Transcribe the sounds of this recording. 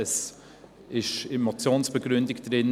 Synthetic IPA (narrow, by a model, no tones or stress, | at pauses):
əs | ʔɪʃemot͡sjoːnsb̥əɡɾʏndɪkd̥rɪn